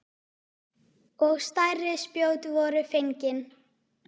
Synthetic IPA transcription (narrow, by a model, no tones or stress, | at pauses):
ɔɣst̪ajrɪspjoːwt̪vɔɾʏfejɲcɪn